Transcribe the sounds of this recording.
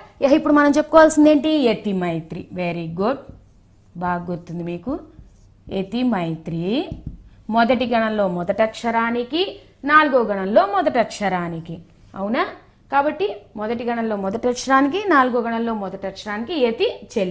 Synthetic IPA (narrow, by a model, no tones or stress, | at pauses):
ɛɦɐipːuɽumɐnɐmt͡ʃepːu̥kɔːʋaːlsind̪eːɳʈiet̪imɐjt̪ɾḭʋeɾiɡuɖ | baːɡut̪ːund̪imiːku | et̪imɐjt̪ɾi | mɔd̪ɐʈiɡɐɳɐllo̞ːmɔd̪ɐʈɐkʂɐɾaːniki | naːluɡoːɡɐɳɐlːo̞ːmɔd̪ɐʈɐʈʂɐɾaːniki | ɐwunaː | kaːbɐʈːimɔd̪ɐʈiɡɐɳɐlːo̞ːmɔd̪ɐʈɐkʂɐɾaːnikinaːluɡoːɡɐɳɐlːo̞ːmɔd̪ɐʈɐkʂɐɾaːnikiet̪it͡ʃeli